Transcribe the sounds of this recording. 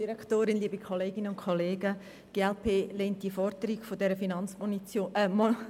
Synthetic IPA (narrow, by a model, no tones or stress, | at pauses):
d̥iɾɛktoːɾɪnliəbikʰoleːɡinəʊnkʰoleːɡə | ɡ̥eːɛlpʰeːlent̚d̥iəfɔɾd̥̪əɾiɡ̥fodɛɾəfinɑnt͡smoomo